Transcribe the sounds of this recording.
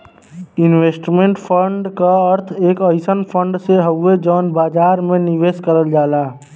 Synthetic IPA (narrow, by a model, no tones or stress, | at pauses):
inwesʈmẽɳʈpʰəɳɖkaəɾt̪ʰeːkəɪsənpʰəɳɖseɦəed͡ʒɔːnbaːd͡ʒaːɾmẽniʋeskəɾəld͡ʒaːlaː